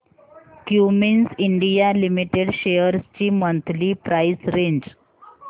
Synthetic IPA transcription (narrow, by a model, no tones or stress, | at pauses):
kjuminsiɳɖijalimiʈeɽɕejəɾst͡ɕiːmənt̪ʰliːpɾajsɾeɲd͡ʑ